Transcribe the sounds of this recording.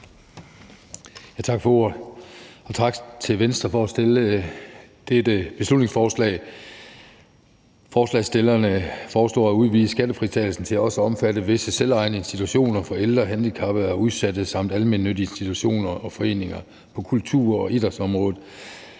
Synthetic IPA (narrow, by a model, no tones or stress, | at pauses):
jæt͡sʰɑ̈ɡ̥fɒ̽o̝ɐ | ɒ̽t͡sʰɑ̈ɡ̥t͡sʰe̝ʋensd̥ʁɐfɒ̽æsd̥elə | d̥ed̥əb̥e̝slud̥ne̝ŋsfɒːslɛ̰ːɪ | fɒːslɛ̰ːɪsd̥e̝lɐnəfɒːsl̥ɔ̰ːæuð̞ˠʋḭːsə̥sɡ̥æd̥əfʁit͡sʰɛːl̩sn̩t͡sʰe̝læɒ̽səɒ̽mfæd̥əʋe̝səselɑ̈ɪnəe̝nsd̥i̥t͡sʰuɕo̝̰ːnɐfɒ̽eld̥ʁɐɦænd̥ikʰɑ̈b̥əæuðˠsæd̥əsɑ̈m̰d̥ælme̝nːød̥ie̝nsd̥it͡sʰuɕo̝̰ːnɐʔɒ̽fɒ̽e̝̰ːne̝ŋɐ | pʰɒ̽kʰult͡sʰṵɐ̰ɒ̽ʔid̥ɐsɒ̽mʁɔ̽ːð̩ˠ